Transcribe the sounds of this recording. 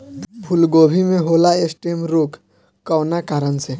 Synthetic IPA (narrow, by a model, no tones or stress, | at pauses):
bʱulɡobʱimeɦolaesʈemɾok | kːənakaɾənt͡ʃʰẽ